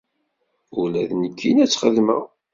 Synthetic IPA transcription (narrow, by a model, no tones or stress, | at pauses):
ʊɾlæðnəkʰːinæt͡sːχəðmə̰